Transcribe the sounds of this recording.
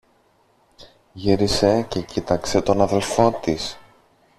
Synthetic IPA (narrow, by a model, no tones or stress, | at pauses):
ʝiɾise̞ce̞cit̪ɐkse̞t̪o̞nɐðe̞lfo̞t̪is